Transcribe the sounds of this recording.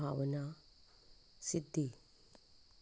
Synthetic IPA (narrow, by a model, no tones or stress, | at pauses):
aʋəna | sid̪ʱːi